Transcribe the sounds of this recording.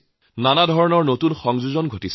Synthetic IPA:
nanadʱɔɹɔnɔɹnotunxɔŋzuzɔnɡʱotis

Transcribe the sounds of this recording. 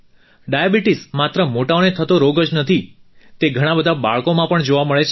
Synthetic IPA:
ɖajabiʈismat̪ɾəmoʈaonet̪ʰət̪oɾoɡəd͡ʒnət̪ʰit̪eɡʱəɽ̃abəd̪ʱabaɭkomãpəɳd͡ʒoʋaməɭet͡ʃʰ

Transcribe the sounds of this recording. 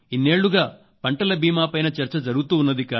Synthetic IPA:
inːe̞ːɭːuɡaː | pɐɳʈɐlɐbiːmaːpɐjnɐt͡ʃɐɾt͡ʃɐd͡ʒɐɾuɡut̪uːnːɐd̪ikaː

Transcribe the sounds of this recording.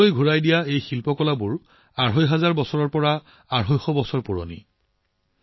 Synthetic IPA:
ojɡʱuɹajdijaejxilpɔkɔlabʊɹ | aɹɦɔjɦazaɹbɔsɔɹɔɹpɔɹa | aɹɦɔjxɔbɔsɔɹpuɹo̰nḭ

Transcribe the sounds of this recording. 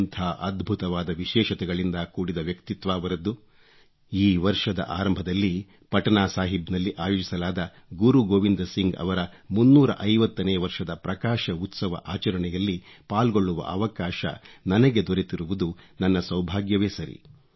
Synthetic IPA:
nt̪ʰaːʔɐd̪bʱut̪ɐʋaːd̪ɐʋiʃɛːʃɐt̪ɛɡɐɭind̪ɐkuːɽid̪ɐʋjɐkt̪it̪ʋaːʋɐɾɐd̪ːu | iːʋɐɾʂɐd̪ɐ̰ʔaːɾɐmbʱɐd̪ɐlːi | pɐʈɐnaːsaːɦibnɐlːiʔaːjoːd͡ʒisɐlaːd̪ɐ | ɡuɾuɡoːʋind̪ɐsiŋɡɐ̰ʋɐɾɐmunːuːɾɐ̰ʔɐjʋɐt̪ːɐnɛːʋɐɾʂɐd̪ɐpɾɐkaːʃɐut̪sɐʋɐ̰ʔaːt͡ʃɐɾɐɳɛjɐlːi | paːlɡo̞ɭːuʋɐ̰ʔɐʋɐkaːʃɐ̰nɐnɐɡe̞d̪oɾet̪iɾuʋud̪unɐnːɐsɐwbʱaːɡjɐʋeːsɐɾḭ

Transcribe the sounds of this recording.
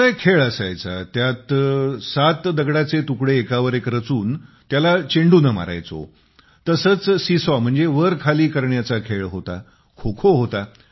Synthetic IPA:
ajkʰeɭəsajt͡sa̰t̪jat̪sat̪d̪əɡɽat͡set̪ukɽeːkaʋəɾekɾət͡suːn | t̪jalat͡ɕeɳɖuːnəma̰ɾa̰jt͡so̰ | t̪əsəːt͡ssisʋam̤əɳd͡zeʋəɾkʰaliːkəɾɳjat͡sakʰeɭɦot̪a̰ | kʰokʰoɦot̪a

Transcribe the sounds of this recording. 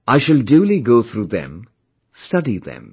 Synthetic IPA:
aɪʃɨldjuːliɡoːθɾuːðɛ̰̃m | stʌdiðɛ̰̃m

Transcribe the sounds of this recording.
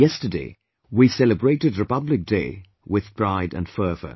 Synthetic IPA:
jɛstədeɪ | wisɛlˠɨbɹeɪɾɨdɹɨpʌblɨk̚d̥eɪ | wɪð̥b̥ɹaɪɾɨ̰̃nfɜ˞və̰˞

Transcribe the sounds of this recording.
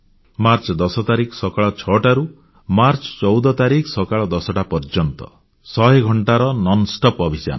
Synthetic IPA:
maɾt͡ʃɔd̪ɔsɔt̪aɾiksɔkaɭɔt͡ʃʰɔʈaɾu | maɾt͡ʃɔ̥t͡ʃɔwd̪ɔt̪aɾiksɔkaɭɔd̪ɔsɔʈapɔɾd͡ʒɔnt̪ɔ̰ | sɔɦeɡʱɔɳʈaɾɔnɔnsʈɔpɔbʱisa̰nɔ

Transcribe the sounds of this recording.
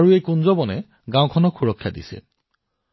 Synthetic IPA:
aɹuejkunzɔbɔnɛ | ɡãw̃kʰɔnɔkxʰuɹɔkʰːjadḭsɛ̰

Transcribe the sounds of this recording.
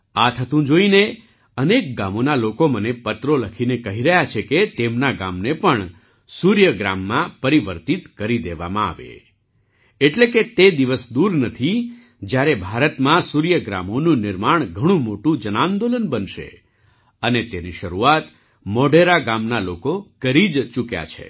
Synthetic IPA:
at̪ʰət̪ũd͡ʒoine | ənek̚ɡamonalokomənepət̪ɾoləkʰinekəɦiɾəɦjat͡ʃʰeket̪emnaɡamnepəɳ | suɾjəɡɾa̰mːãpəɾiʋəɾt̪it̪kəɾid̪eʋa̰mãa̰ʋḛ | eʈleket̪ed̪iʋəsd̪uɾnət̪ʰi | d͡ʒjaɾebʱaɾət̪mãsuɾjəɡɾa̰monũnɪɾmaɳ̃ɡʱəɽ̃ũmoʈũd͡ʒənãnd̪olənbənʃḛ | ənet̪eniʃəɾuat̪ | mɔɖeɾaɡamnalokokəɾid͡ʒt͡ʃukja̰t͡ʃʰḛ

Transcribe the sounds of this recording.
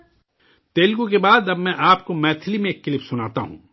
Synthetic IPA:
t̪eːlkõkebaːd̪ɐbmɛ̃ʔaːpkomɛːt̪ʰɪlimẽːkːɪlɪpsʊnaːt̪aɦṵ̃ː

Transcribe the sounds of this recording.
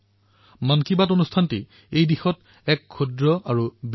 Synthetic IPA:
mankibatonustʰanti | ejdixɔt | ɛkʰːudɹɔaɹub

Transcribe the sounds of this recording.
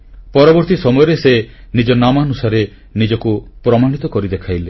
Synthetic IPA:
pɔɾɔbɔɾt̪isɔmɔjɔɾesenid͡ʒɔnamanusaɾe | nid͡ʒɔkupɾɔmaɽ̃it̪ɔkɔɾid̪ekʰajle

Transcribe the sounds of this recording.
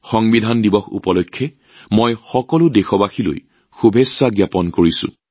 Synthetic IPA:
xɔŋbidʱandibɔxṵpɔlojkʰːɛ | mojxɔkɔlʊdexɔbaxilo̰j | xubʱesːaɡjapɔnkoɹisʊ̰̃

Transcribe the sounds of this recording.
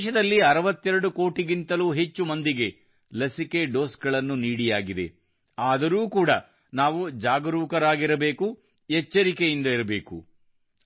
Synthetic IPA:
ʃɐd̪ɐlːiɐɾɐʋɐt̪ːɛɾɐɽuko̞ːʈiɡint̪ɐluɦe̞t͡ʃːumɐnd̪iɡe̞ | lɐsike̞ɖo̞ːsɡɐɭɐnːuniːɽijaːɡid̪e̞̰ | aːd̪ɐɾuːkuːɽɐ | naːʋud͡ʒaːɡɐɾuːkɐɾaːɡiɾɐbe̞ːku | ɛt͡ʃːɐɾike̞jind̪ɐiɾɐbe̞ːku

